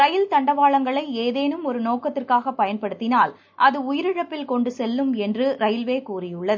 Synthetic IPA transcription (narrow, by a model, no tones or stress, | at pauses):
ɾɐjɪlt̪ɐɳɖɐʋaːɭɐŋɡɐɭɐɪeːðeːnɯmɔɾɯnoːkɐt̪ːɪrkaːɣɐpːɐjɐnpɐɽɯt̪ːɪnaːl | ʔɐðɯʊjɪɾɪɻɐpːɪlkɔɳɖɯsɛlːɯmɛndrɯɾɐjɪlʋeːkuːrɪjɯɭːɐðɯɯ